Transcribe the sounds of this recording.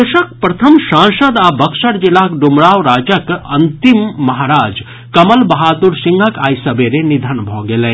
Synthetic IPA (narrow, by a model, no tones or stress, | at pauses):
ɐʃɐk̚pɾɐt̪ʰɐmʃãːnʃɐd̪abɐkʃɐɽd͡ʒilaːkɖumɾaːʋɾaːd͡ʒɐkɐnt̪imːɐɦaːɾaːd͡ʒ | kɐmɐlbɐɦaːt̪uɾsiŋɡʱɐkaːjsɐbeɾenid̪ʱɐnbʱoːɡelẽ